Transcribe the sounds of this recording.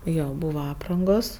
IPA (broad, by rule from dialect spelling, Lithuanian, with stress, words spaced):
ˈjoː ˈbuːʋɐ ˈɑːprɐŋɡoːs